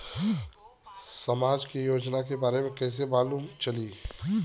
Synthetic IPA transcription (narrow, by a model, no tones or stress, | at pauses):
səmaːd͡ʒkijoːd͡ʒnakebaːɾemẽkɛːs̬ebaːluːmt͡ʃəliː